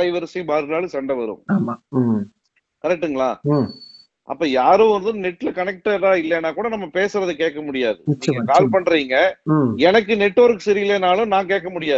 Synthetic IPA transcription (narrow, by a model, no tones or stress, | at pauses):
ɐɪʋɐɾsibaːɾɯlaːlɯsɐɳɖɐʋɐɾɯ̰̃maːmaː | kɐɾɛk̚ʈːɯŋɡɐɭaː | ʔɐ̰pːoːjaːɾõːʋɐnd̪ɯnɛʈːɪlɐkɐnɛk̚ʈɐɾaːɪlːɛnːaːkuːɽɐnɐmːɐpeːsɯɾɐðɯkeːʈkːɐmʊɽɪjaːðɯmʊnt͡ʃiŋɡɐkaːlpɐɳːɾiːŋɡɐɛnɐkːɯnɛʈːʋɐɾkːɯsɛɾɪɪleːnaːlʊ̃nãːkeːʈkːɐmʊɽɪjaː